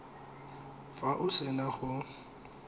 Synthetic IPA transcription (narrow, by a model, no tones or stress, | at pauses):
faʔʊsɪnaχʊ